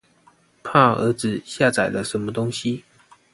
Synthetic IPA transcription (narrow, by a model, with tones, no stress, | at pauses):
pʰa˥˩ə̰˧˥t͡sɹ̩˨ɕja˥˨t͡sa˨˩ɪlə˦ʂə˨˧˦nmə˧t̪ʊ˥ŋɕi˦